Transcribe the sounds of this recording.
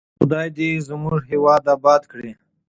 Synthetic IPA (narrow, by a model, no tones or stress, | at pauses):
xʊ̰d̪ɑːjd̪izəmuʐɦiwɑd̪abɑd̪kɽi